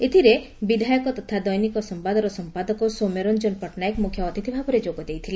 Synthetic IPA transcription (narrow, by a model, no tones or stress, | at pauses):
et̪ʰiɾe | bid̪ʱajɔkɔt̪ɔt̪ʰad̪ɔjnikɔsɔmpad̪ɔɾɔsɔmpad̪ɔkɔsomeɾɔnd͡ʒɔnpɔʈnajkmukʰjɔːt̪it̪ʰibʱabɔɾed͡ʒoɡɔd̪ejt̪ʰile